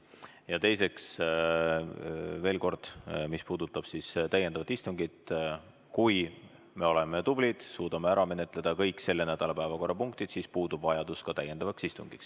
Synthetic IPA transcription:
jɑt̪e̞jse̞ks | ve̞ːlko̞rd̪̥mispuːd̪̥ut̪ːˑɑb̥sist̪æjːe̞nd̪ɑvɑt̪ist̪uŋɡid̪̥ | kuj | me̞o̞le̞me̞t̪ub̥lid̪̥suːd̪̥ɑme̞æɾɑme̞ne̞t̪ˑle̞d̪̥ɑkɤjkˑse̞lːe̞næd̪̥ɑlɑpæevɑko̞rʔɑpuŋkt̪id̪sispuːd̪ub̥vɑjɑd̪̥uskɑt̪æje̞nd̪ɑvɑksist̪uŋɡ̥iks

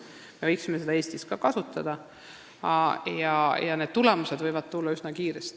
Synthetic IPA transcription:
me̞ɤjksimese̞d̪ɑe̞ːsʲt̪iskɑkɑsut̪ːˑɑd̪̥ɑ | jɑjɑne̞d̪̥̚t̪ule̞muse̞d̪vɤjvɑd̪̥̚t̪ulːɑysnɑkiːɾest̪

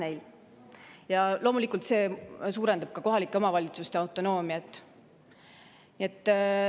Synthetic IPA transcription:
nejl | jɑlo̞ːmulikˑult̪se̞ːsuːɾe̞nd̪̥ɑb̥̚kɑko̞ɦɑlikːˑeo̞mɑvɑlʲit̪sust̪eɑwt̪ːˑo̞no̞ːmiɑt̪ːˑ | nie̞t̪ːˑ

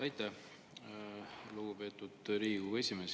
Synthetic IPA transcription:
ɑjt̪ːˑæh | luɡ̥upe̞ːt̪ːˑud̪̥ɾiːue̞sʲimeːs

